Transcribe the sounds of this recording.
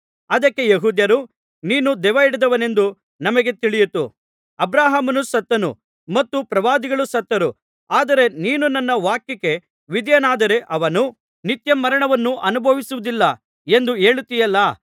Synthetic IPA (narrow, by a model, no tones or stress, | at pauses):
ɐd̪ɐkːe̞jeɦuːd̪jɐɾu | niːnud̪ɛʋɐiɽid̪ɐʋɐne̞nd̪u | nɐmɐɡe̞t̪iɭijut̪ṵ | ɐbɾaːɦamɐnusɐt̪ːɐnṵ | mɐt̪ːupɾɐʋaːd̪iɡɐɭusɐt̪ːɐɾu | aːd̪ɐɾe̞niːnunɐnːɐʋaːkjike̞ | ʋid̪jɐnaːd̪ɐɾe̞ʔɐʋɐnu | nit̪jɐmːɐɾɐɳɐʋɐnːuʔɐnubʱɐʋisuʋud̪ilːɐ | e̞nd̪ue̞ːɭut̪ːijɐlːɐ